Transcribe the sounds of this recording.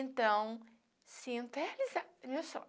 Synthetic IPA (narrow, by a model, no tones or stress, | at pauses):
ẽnt̪ɐ̃w̃ | sĩnt̪ɛlizamewsɔ̰